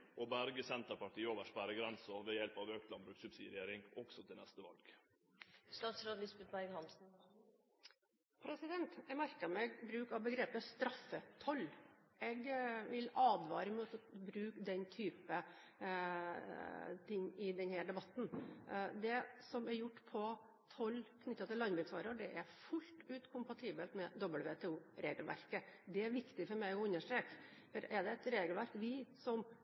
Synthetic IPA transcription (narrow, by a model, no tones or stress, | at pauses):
ʔɔbæɾɡəsɛnt̪əɾpɑʈiːəoːʋəʂpæɾəɡɾɛnsɔʋɛjɛlpɑʋøːkt̪lɑmbɾʉːksʉbsḭd̪ɾɛjeːɾɪŋɔɡ̥sɔt̪ʰɪlɛst̪əʋɑ̰lɡ̥ | st̪ɑːt̪sɾoːd̪lɪsbɛt̪æɪɡhɑnsn̩ | pʰɾɛsɪd̪ɛnt̪ɛmæɾkəmɛɡbɾʉːkɑʋbəɡɾeːpəst̪ɾɑfːət̪ʰɔlːɛɡʋɪlɑːd̪ʋɑ̰ːɾəɪmøːt̪əbɾʉːkd̪ɛnt̪ʰyːpə | t̪ʰɪŋːɪd̪ɛnhæːɖ̪ɛbɑt̪ːnd̪ɛsɔmɛɾjʊʈːpʰɔ | t̪ʰɔlːkʰnʏt̪ːɑt̪ɪlːɑnbɾʉːksʋɑːɾəɖɛʔæɾfʉlt̪ʉːt̪kʰʊmpɑt̪ʰiːbəlt̪mɛd̪ɔbəlʋeːt̪ʰɛuːɾeːɡəlʋæ̰ɾkəd̪ɛæɾʋɪkt̪ɪfɔɾmæɪɔʉnːəʂʈɾeːkfɔɾɛɖ̪ɛɛt̪ɾeːɡəlʋæɾkʋɪsɔm